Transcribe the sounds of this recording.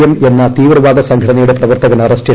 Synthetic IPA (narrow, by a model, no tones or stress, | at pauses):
jɐme̞nːɐt̪iːʋrɐʋaːɡɐsɐŋɡʱɐɽɐnɐjuɽe̞prɐʋɐrt̪ɐɣɐnɐrɐste